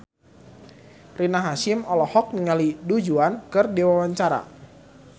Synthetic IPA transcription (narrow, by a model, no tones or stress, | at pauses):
rinaɦaʃɪmɔlɔhɔk̚niŋalidud͡ʒuankɨrdiwawaɲt͡ʃaɾa̰